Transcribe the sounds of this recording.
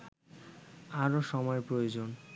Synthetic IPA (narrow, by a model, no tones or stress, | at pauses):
aɾoʃɔmɔepɾojod͡ʑon